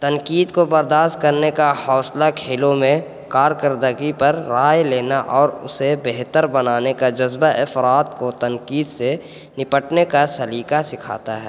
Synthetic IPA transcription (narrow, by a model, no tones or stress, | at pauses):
t̪ɐnkiːd̪kobɐɾd̪aːʃt̪̚kɐɾnekahɔːslakʰeːlõmẽ | kaːɾkəɾd̪əɡipɐɾːaːjleːnaʔɔːɾʊ̰sebeɦt̪əɾbɐnaːnekad͡ʒɐzbaʔɪfɾaːt̪kot̪ɐnkiːd̪se | nɪpəʈnekasɐliːkasɪkʰa̰ːt̪aɦɛː